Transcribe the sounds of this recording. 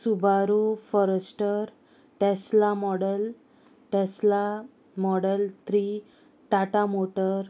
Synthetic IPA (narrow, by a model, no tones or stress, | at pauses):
subʱaɾufɔɾəsʈəɾ | ʈeslamɔɽəl | ʈesla | mɔɽəlt̪ɾi | t̪aʈamoʈəɾ